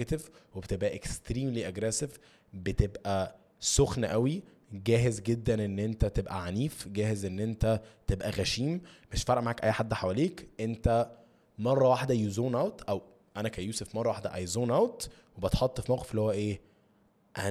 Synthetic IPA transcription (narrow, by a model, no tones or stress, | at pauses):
t̪evwebet̪ebʔæʔekst̪ɾiːmliʔæɡɾæsev | bet̪ebʔæ | soxnʔæwi | ɡæːɦezɡed̪ːænʔenːʔent̪æt̪ebʔæʕaniːfɡæːhezʔenːʔent̪æt̪ebʔæɣæʃiːmmeʃfɑɾˤʔmaʕaːkʔæ̰jːħad̪ːħawæleːkʔent̪æ | mɑrˤːɑwaħd̪æjuzoːnʔæwt̪ʔæw | ʔænækæjuːsefmɑrˤːɑwaħd̪æ̰ʔɑjzoːnʔæwt̪ | webɑt̪ħɑt̪ˤːfimæwʔeflihowːæʔeː | ʔæ